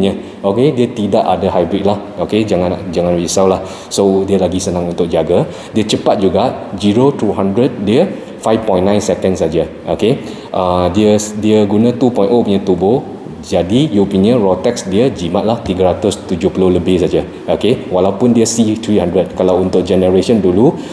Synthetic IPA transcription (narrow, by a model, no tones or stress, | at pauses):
ɲə | ʔokediət̪idaʔadaɦajbɾit̪̚lah | oked͡ʒaŋãnd͡ʒaŋãnɹisawlah | sodiəlaɡisənãŋunt̪ʊk̚d͡ʒaɡə | diət͡ʃəpat̪̚d͡ʒuɡaʔd͡ʒiɹot̪ɾuɦandɾət̪̚diə | fajfpɔjnːãjnsɛkənsad͡ʒəʔoke | ʔədiədiəɡunə̃t̪upɔ̃j̃nʔopuɲə̃t̪ubo | d͡ʒadijupiniə̃nɹot̪ɛksdiəd͡ʒimat̪̚laht̪iɡəɾat̪ʊst̪ud͡ʒopəloləbɪhsad͡ʒə | ʔokewalawpʊndiəsit̪ɹihãndɾət̪̚kalawunt̪ʊk̚d͡ʒɛnəɹesə̃ndulu